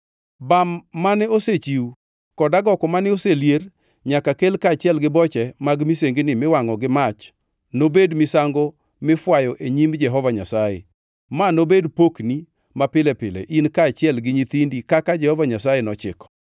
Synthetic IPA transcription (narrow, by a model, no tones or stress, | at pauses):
bamːanɛoset͡ʃiu | kɔdaɡɔkɔmanɛoseljer | ɲakakelkaːt͡ʃɪɛlɡɪbɔt͡ʃɛmaɡmiseŋɡenɪmɪwaŋɔɡɪmat͡ʃ | nobedmɪsaŋɡɔ | mɪfwajɔʔeɲimd͡ʒɛɦɔvaɲasajḛ | manobedpokni | mapɪlɛpɪlɛ̰ʔinkaːt͡ʃɪɛlɡɪɲit̪indikakad͡ʒɛhɔvaɲasajenɔt͡ʃɪkɔ̥